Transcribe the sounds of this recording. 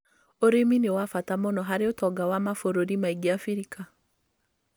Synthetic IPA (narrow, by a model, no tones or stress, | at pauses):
oɾeminewafatamɔnɔɦaɾeotɔɡawamafoɾoɾimaiɡiafiɾika